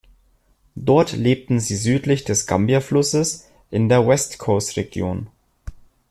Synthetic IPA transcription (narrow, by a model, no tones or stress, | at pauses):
d̥ɔɐtleːp̚tn̩ziːzyːtlɪçd̥ɛsɡ̥a̰mbjaflʊsəs | ʔɪndeːɐwɛstkʰoːstʁeɡjo̰ːn